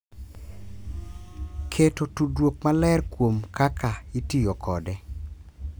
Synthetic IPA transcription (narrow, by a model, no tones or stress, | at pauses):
kʰetotudwok̚malɛrkwomkakʰaitijokʰɔdɛ